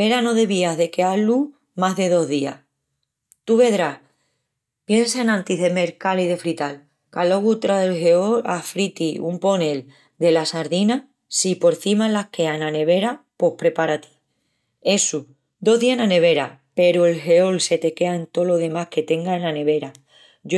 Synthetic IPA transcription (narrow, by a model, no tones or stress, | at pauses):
be̞ɾano̞ðe̞βiaɦðe̞kealu | maɦðe̞ðo̞ɦðia̰ | t̪uβe̞ðɾah | pje̞nsaenãnt̪iðeme̞ɾkaliðe̞fɾit̪al | kalo̞ɣut̪ɾaðe̞lɦe̞olafɾit̪iumpo̞ne̞l | d̪e̞lasaɾðina | sipo̞ɾθimalahke̞anane̞βe̞ɾapo̞hpɾe̞paɾat̪i̥ | e̞su | d̪o̞ɦðianane̞β̞e̞ɾape̞ɾoe̞lɦe̞o̞lse̞t̪e̞ke̞aent̪o̞lo̞ðe̞mahke̞t̪e̞ŋɡaenane̞βe̞ɾa